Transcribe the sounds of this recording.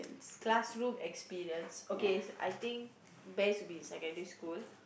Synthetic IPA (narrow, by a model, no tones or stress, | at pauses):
ə̰̃nsklasɹũmɛkspiɹiə̃nsokesʔa̰jt̪ĩŋk | bɛsbĩnsajkɛ̃nduskul